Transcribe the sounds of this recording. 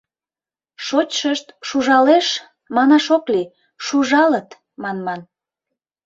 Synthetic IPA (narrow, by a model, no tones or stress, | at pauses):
ʃot͡ɕʃəʃt̪ʃuʒɑleʃ | mɑnɑʃokli | ʃuʒɑlət̪ | mɑnmɑn